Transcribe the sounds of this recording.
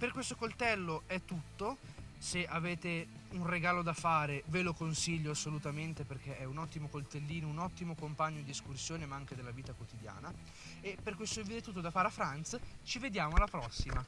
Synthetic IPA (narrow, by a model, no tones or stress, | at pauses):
perkwest̪okolt̪ɛlːoɛt̪ːut̪ːoseaveːt̪eunreɡaːlod̪afaːɾevelokonsiʎːoasːolut̪ament̪eperk̟eʔɛunɔt̪ːimokolt̪elːiːnounɔt̪ːimokompaɲːod̪ieskursjoːnemaaŋk̟ed̪elːaviːt̪akwot̪id̪ja̰ːna | epːerkwest̪oevid̪eɛt̪ːut̪ːod̪afaːɾeafɾant̪st͡ʃived̪jaːmoalːapɾɔsːima